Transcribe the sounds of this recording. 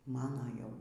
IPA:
ˈmɑːnoː ˈjɛʊ

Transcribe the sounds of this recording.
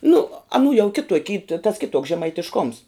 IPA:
nʊ ɐˈnuː jɛʊ ˈkʲɪtoːkʲ iː tɐ tɐs ˈkʲɪtuɔks ʒʲɛmɐɪtʲɪʃˈkoːms

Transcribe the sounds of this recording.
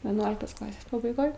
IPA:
ʋʲɛˈnuɔlʲɪktoːs ˈklˠɑːsʲeːs pɐbɐɪˈɡoːj

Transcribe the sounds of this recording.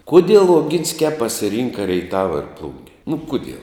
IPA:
ˈkʊdʲiɛlˠ oːˈɡʲɪnʲsʲkʲæː pɐsʲɪˈrʲiːŋkɐ rʲɛɪˈtɑːʋɐ ɪr ˈplˠʊŋʲɡʲɛ nʊ ˈkʊdʲiɛlˠ

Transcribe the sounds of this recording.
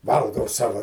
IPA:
ˈʋɐlˠɡɐʊ ˈsɑːʋɐ

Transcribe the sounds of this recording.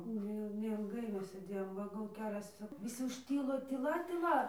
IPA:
ˈnʲɛɪlˠ nʲɛɪlˠˈɡɐɪ ˈmʲɛs sʲeːˈdʲeːjoːm ˈʋɐ ɡɐlˠ ˈkʲæːlʲɛs ʋʲɪˈsʲɪ ʊʃʲˈtʲiːlˠoː tʲiːˈlˠɐ tʲiːˈlˠɐ

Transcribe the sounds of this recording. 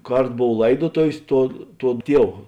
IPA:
ˈkɐrt ˈboːw ˈlˠɐɪdoːtoːʋʲeːs ˈtuɔ ˈtuɔ ˈtʲiɛw

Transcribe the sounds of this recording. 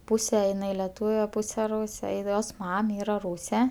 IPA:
ˈpuːsʲɛ ɪˈnɐɪ lʲɛˈtuːʋʲɛ ˈpuːsʲɛ ˈruːsʲɛ ɪ ˈjoːs ˈmɐm ˈiːrɐ ˈruːsʲɛ

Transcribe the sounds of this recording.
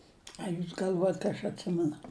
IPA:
ɐ ˈjuːs ɡɐlʲˈʋuɔjɛt kɐ ɐʃ ɐtʲˈsʲɪmʲɛnʊ

